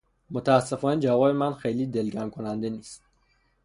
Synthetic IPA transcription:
mot̪ʰææsːefɒːned͡ʒævɒːbemænxejliːd̪elɡæmkʰonænd̪eniːst̪

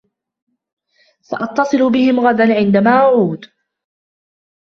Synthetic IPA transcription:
fɑ̰ʔɑt̪ːɑsˤɨlʊbɪhɪmɣad̪anʕɪnd̪amaːʔaʕuːd̪

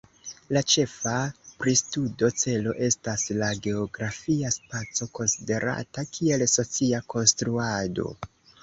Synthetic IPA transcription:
lat͡ʃe̞fapɾistudo̞t͡se̞lo̞̰ʔe̞staslaɡe̞oɡɾafiaspat͡so̞ko̞nside̞ɾa̰takʰie̞lso̞t͡siako̞nstɾuado̞̰

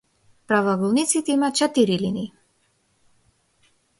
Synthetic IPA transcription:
pɾavaɡɔlˠnit̪sit̪ɛimat͡ʃɛt̪iɾiliniː

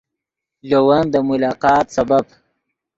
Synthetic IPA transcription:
lowɐnd̪əmʊlɑːqɑːt̪sabab

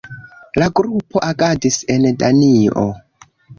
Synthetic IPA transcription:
laɡɾupo̞ʔakadise̞ndanio̰

